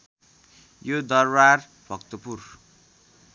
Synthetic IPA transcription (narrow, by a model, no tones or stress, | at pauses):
jod̪ʌrbar | bʱʌkt̪opur